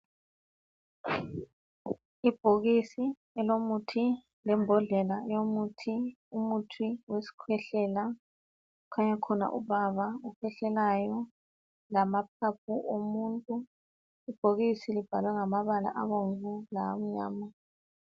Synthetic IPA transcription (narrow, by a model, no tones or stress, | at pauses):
ib̥ʱoɣisi | ɛlomutʰi | lɛmbʱɔɮɛlajomutʰi | umutʰiwesi̥kʰwɛɬɛla | ukʰaɲakʰɔna̰ʔṵβaβaukʰwɛɬɛlajɔ | lamap̚ʰap̚ʰuʔomuntʼu | ib̥ʱoɣisilib̥ʱalwɛŋamaβala̰ʔaβoɱvulam̩ɲa̰ːma